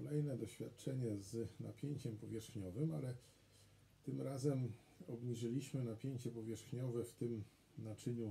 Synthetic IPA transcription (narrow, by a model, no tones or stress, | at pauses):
kɔlɛjnɛd̪ɔɕfʲja̰t̪̚t͡ʂɛɲɛzna̰pʲjeɲt͡ɕɛmpɔvʲjɛʂxɲɔvɘmalɛ | t̪ɘmɾazɛm | ɔbɲiʐɘlʲiɕmɘnapʲjeɲt͡ɕɛpɔvʲjɛʂxɲɔvɛft̪ɘm | nat͡ʂɘɲu